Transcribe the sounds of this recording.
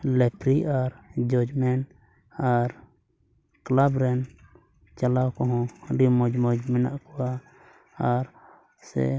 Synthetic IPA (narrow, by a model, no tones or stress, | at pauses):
lɛpɾiʔaɾd͡ʒɔd͡ʒmɛn | aɾ | klabɾɛn | t͡ʃalawkɔɦɔ̃ɖimɔd͡ʒmɔd͡ʒmɛnaʔkɔwaː | ɾ | sɛ̰